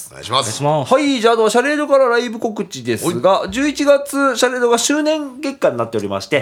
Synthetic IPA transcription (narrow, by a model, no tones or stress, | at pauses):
ahaid͡ʑaːt̪oɕaɾe̞d̪o̞kaɾaɾaibɯ̟ko̞kɯ̟t͡ɕid̪e̞sɨɡad͡ʑɨːit͡ɕiɡat͡sɨɕaɾe̞ːd̪o̞ɡaɕɨːnẽ̞ŋɡẽ̞kːaɲ̟inat̪ːe̞o̞ɾʲima̰ɕi̥t̪e